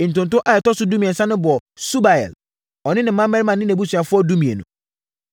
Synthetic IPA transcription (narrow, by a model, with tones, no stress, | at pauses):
ɪ˨n̩˨tʊ̃˨ntʊ̃˦ʔa˨ɛ˨tɔ˦sʊ˦dũ˦mĩ˨ɛ˨sã˦nʊ̃˦bʊ˨ɔ˨su˦ba˨ɛ̰˨l | ɔ˨nɪ̃˦nɪ̃˨mã˦mːɛ˦ɾɪ˦mã˨nːɪ̃˦næ̃˨bu˦sɥ̃a˨fʊ˦ɔ˦dũ˦mĩ˨ḛ˨nṵ̃˨